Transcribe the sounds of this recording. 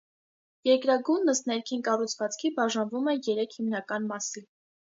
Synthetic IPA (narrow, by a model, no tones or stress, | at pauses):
jɛɾkɾɑɡunːəsnɛɾkʰinkɑrut͡sʰvɑt͡skʰibɑʒɑnvumɛjɛɾɛkʰhimnɑkɑnmɑsi